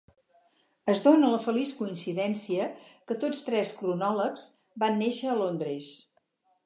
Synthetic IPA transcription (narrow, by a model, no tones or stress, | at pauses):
əzðonələfəliskuinsiðɛnsiəkət̪ot͡sst̪ɾɛskɾunɔləkz̥ | banːeʃəːlond̪ɾes